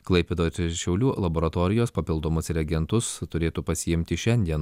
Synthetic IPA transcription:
klˠɐɪpʲɛd̪oːɾʃʲɛʊlʲuːlˠɐboːɾɐt̪oːɾʲɪjoːspɐpʲɪlˠd̪oːmʊsɾʲɐɡʲɛnt̪ʊst̪ʊɾʲeːt̪uːpɐsʲɪɪmʲt̪ʲɪʃʲɛnʲd̪ʲiɛn

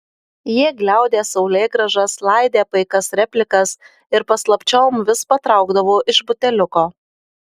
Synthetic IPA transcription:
jiɛɡlʲæˑʊd̪ʲeːsɒʊlʲɛɪɡɾɐʒɐslˠɑɪd̪ʲeːpɐɪkɐsɾʲɛpʲlʲɪkɐs | ɪɾpɐslˠɐpʲt͡ʃʲɛːmʋʲɪspɐt̪ɾɑˑʊɡd̪ɐʋoːʔɪʃbʊt̪ʲɛlʲʊkoː

